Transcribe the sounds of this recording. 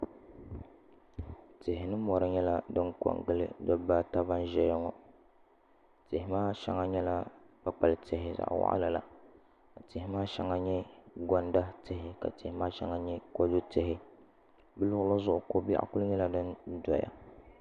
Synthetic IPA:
tɪ˨hɪ˨nɨ˦mɔ˨ɾɨ˦ɲɛ˦la˦dɨ˦nkɔ̰˨ŋɡɨ˦lɨ̰˦dɔ˦ba˦ta˦ba˦n˦ʒɛ˦jɛ˦ŋɔ˨ | tɪ˨hɪ˨˦maː˦ʃɛ̰˦ŋa˦ɲɛ˦la˦b̥a˦k͡pa˨lte˨hɪ˨za̰˨ʔwa̰˦ʔa̰˦la˨la̰˨ | tɪ˨hɪ˦maː˦ʃɛ˦ŋa˦ɲɛ˦ɡɔ˦nda˦te˨hɪ˨ka̰˨te˨hɪ˦maː˦ʃɛ˦ŋa˦ɲɛ˦ko˦du˦tɪ˨ɦɪ˦ | bɨ˦lʊ˦ɣʊ˦la˦zʊ˦ʔʊ˨ko˦bḭ˦ʔkʊ˦ɨ˦ɲɛ˦la˦dɨ˦ndɔ˨ja̰˨

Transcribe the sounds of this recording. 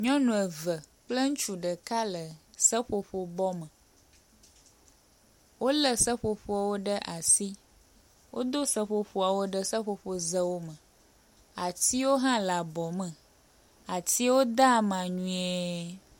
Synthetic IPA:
ɲɔ̃˦nũ˨ə˨və˨k͡plə˦ŋ̩̃˦t͡ʃu˨ɖə˨ka˦lə˨sə˦ɸo˨ɸo˨bɔ˦mə˨ | wo˦lə˦sə˦ɸo˨ɸo˨˦a˨wo˦ɖə˦ʔa˨si˦ | wʔo˦d̪o˦sə˦ɸo˨ɸo˨a˨wo˦ɖə˦sə˦ɸo˨ɸo˨zə˦wo˦mə˨ | a˨t̪i˦wo˦ɦã˦la˨bɔ˨mə̃˨ | a˨t̪i˦wo˦d̪a˦˨mã˨ɲũ˦e˦

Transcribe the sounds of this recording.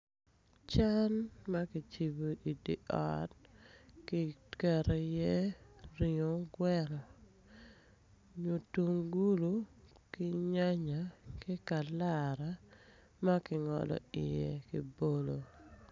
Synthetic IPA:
t͡ʃa˦nma˦kɪ˨t͡ʃi˨bo˨ʔi˨dḭ˨ʔɔ̰˦t̚kɪ˦kɛ˨ɾɛ˨jɛ˦ɾio˨˦ɡwɛ˦ɾɔ˨ | ɲo˨tu˨ŋɡu˦lu˨˦ | kɪ˦ɲa˦ɲa˨kɪ˦ka˨la˦ɾa˨ | ma˦kɪ˨ŋɔ̰˨lɔ̰˨ɪ̰˨jḛ˨ki˨bo˦lo˨

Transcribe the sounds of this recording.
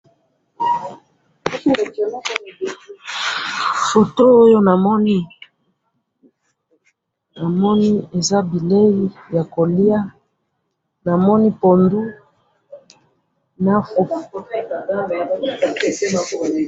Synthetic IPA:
fo˨to˦o˦jo˦na˨mɔ˦ni˦ | na˨mɔ˦ni˦e˨za˦bi˨le˦ji˦ja˨ko˨li˦a˦ | na˨mɔ˦ni˦po˨ndu˦ | na˦fo˨f

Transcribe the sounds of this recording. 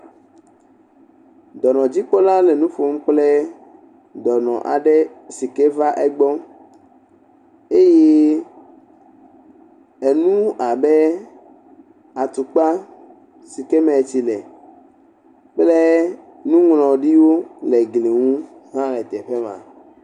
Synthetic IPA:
d̪ɔ˨nɔ̃˨d͡ʑi˦k͡pɔ˦lã˦le˨nũ˦ɸo˦m̩˦k͡ple˦ | d̪ɔ˨nɔ̰̃˨ʔa̰˨ɖe˦si˨ke˦va˦ʔe˦ɡ͡bɔ˦ | e˦je˦ | e˨nũ˦a˨be˦ | a˨t̪u˨k͡pa˦ | si˨ke˦mɛ̃˨t͡ɕi˨lɛ˨ | k͡ple˦ | nũ˦ŋlɔ̃˨ɖi˦wo˦le˨ɡli˨ŋũ˦ɦã˦lɛ˨t̪ɛ˨ɸe˦mã̰˨

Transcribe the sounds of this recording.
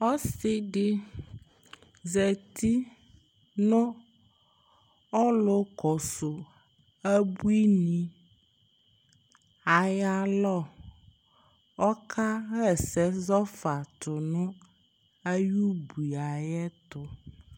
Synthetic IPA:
ɔ˦sɪ˦ɖɪ˦ | zɛ˨t̪i˦ | nɔ̃˦ | ɔ˦lo˦kɔ˨sʊ˨ | ɛ˦bu˦i˦nĩ˨ | a˨ja˨lɔ˦˨ | ɔ˦kʰa˦ɣɛ˨sɛ˦zɔ˦fa˨t̪ʊ˨nʊ̃˦ | ɛ˦ju˦bu˨i˨a˨jɛ˦t̪ʊ˨

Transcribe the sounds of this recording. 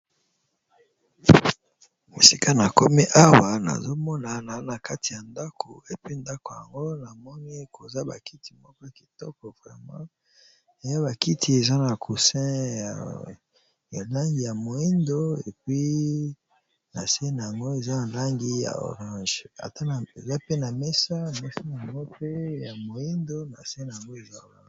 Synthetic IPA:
e˨si˦ka˦na˨ko˦mi˦ʔa˦wa˨na̰˨zo˦mɔ˦na˨na˨na˨ka˦ti˨ja˨nda˦kʰo˨e˨pi˦nda˦ko˨ja̰˨ŋɡo˦na˨mɔ˦ni˦ko˨za˦ba˨ki˦ti̥˨mɔ˦kɔ˦ja˨ki̥˨tɔ˦kɔ˨vʁɛ˨mã˦ | e˨ja˦ba˨ki˦tʰi˦e˨za˦na˨kʰu˨sɛ̃˦ja˨ | ja˨la˦ŋɡi˨ja˨mo˨i˦ndo˦e˨pɥi˦ | na̰˨se˦na˨ja˨ŋɡo˦e˨za˦na˨la˦ŋɡi˦ja̰˨o̰˨ʁã˦ʒa̰˨ta˦na˨ḛ˨za˦pe˦na˨mɛ˦sa˦˨me˦sa˦n˨a˨ŋɡo˦pe˦ja˨mo˨i˦ndo˦na̰˨se˦na˨ja˨ŋɡo˦e˨za˦˨la̰˨

